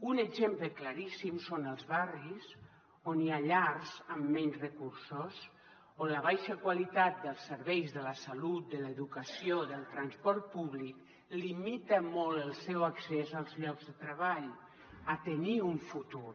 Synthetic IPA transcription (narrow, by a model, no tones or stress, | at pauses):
unəɡzempləklaɾisimsonəlˠzβariz | oniaʎarzəmːɛnzrəkuɾsos | oləβ̞ajʃəkwalit̪at̪̚d̪əlˠsːəɾβɛjzðələsalut̪̚d̪ələðukəsioðəlˠt̪ɾanspɔɾt̪̚puβlik | limit̪əmɔlˠəlˠsɛwaksɛzalˠzʎɔɡzðət̪ɾəβaʎ | ət̪əniuɱfut̪uɾ